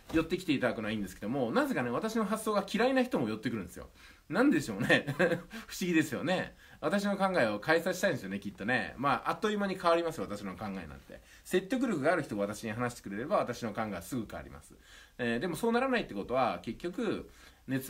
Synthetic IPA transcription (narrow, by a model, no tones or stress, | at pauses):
jo̞t̪ːe̞kʲi̥t̪e̞it̪ad̪akɯnoaĩːnd̪e̞sɨ̥ked̪o̞mo̞naze̞kane̞βat̪aɕino̞ɦasːo̞ːɡakʲiɾainaçi̥t̪omo̞jo̞t̪ːekɯ̟ɾɯ̟nd̪esɨjo̰ | nãnd̪e̞ɕo̞ːne̞ɸɯ̟̥ɕiɡʲid̪e̞sɨjo̞̰ne̞ | βat̪aɕ̬ino̞kãŋɡaeokaisaɕit̪aĩnesjone̞kʲit̪ːo̞ne̞̰maːʔat̪ːo̞imaɲ̟ikaβaɾʲimasɨjat̪aɕino̞kãŋɡaenã̰nt̪e̞̰ | se̞tʲːo̞kɯ̟ɾʲo̞kɯ̟ɡaːɾɯ̟çit̪o̞aβat̪aɕiɲ̟iɦanaɕi̥t̪e̥kɯ̟ɾe̞ɾe̞baβat̪aɕino̞kãŋɡasɨɡɯ̟kaβ̰ɾʲḭma̰sɨ̥ed̪e̞mo̞so̞ːnaɾanait̪ːe̞ko̞t̪o̞βake̞kʲːo̞kɯ̟ | ne̞t͡s